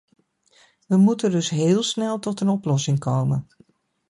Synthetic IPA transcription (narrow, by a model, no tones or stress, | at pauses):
ʋəmutəndɵsɦɪːlˠsnɛlˠtɔtənɔplɔsɪŋkowmən